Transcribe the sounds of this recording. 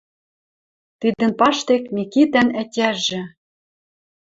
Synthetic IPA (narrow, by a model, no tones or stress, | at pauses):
t̪id̪ə̆npɑʃt̪ekmikit̪ænætʲæʒɘ̆